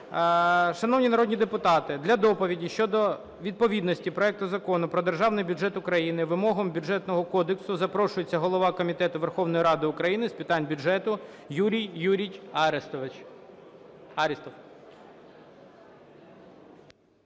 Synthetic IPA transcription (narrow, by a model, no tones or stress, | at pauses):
ʃɐnɔwnʲinɐɾɔd̪ʲnʲid̪epʊt̪ɑt̪ɪd̪lʲɐd̪ɔpɔʋʲidʲiʃt͡ʃɔd̪ɔ | ʋʲid̪̚pɔʋʲid̪nɔsʲtʲipɾɔɛk̚t̪ʊzɐkɔnʊpɾɔd̪erʒɑwnɪjbʲʊd͡ʒɛt̪ʊkɾɐjinɪʋɪmɔɦɔmbʲʊd͡ʒɛt̪nɔɦɔkɔd̪eksʊzɐpɾɔʃʊjet͡sʲːɐɦɔlˠɔʋɑkɔmʲit̪ɛt̪ʊʋerxɔwn̪ɔjɾɑd̪ɪʊkɾɐjinɪspʲɪt̪ɑnʲbʲʊd͡ʒɛt̪ʊ | juɾʲijjuɾʲijɑɾest̪ɔʋɪt͡ʃ | ɑɾʲist̪ɔw